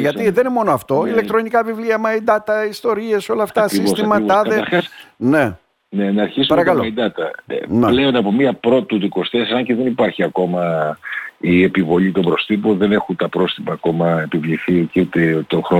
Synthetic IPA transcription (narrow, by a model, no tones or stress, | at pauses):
ʝɐiðenemo̞noɐft̪o̞ilek̚t̪ɾo̞nikɐvivliɐmɐid̪ɐt̪ɐist̪o̞ɾie̞so̞lɐft̪ɐɐsivsost̪imɐt̪ɐðeɐɾxɐsne | nenɐːɾçisupɐɾɐkɐloɐid̪ɐt̪ɐnple̞o̞nɐpomiɐpɾo̞t̪ɐt̪uðiko̞st̪essɐɲceðe̞nipɐɾçiɐko̞mɐ | iepivo̞ʎit̪o̞bɾo̞st̪ipoðe̞ne̞xunt̪ɐpɾo̞st̪ipɐːko̞mɐe̞pivʎiθiciut̪et̪oxɾo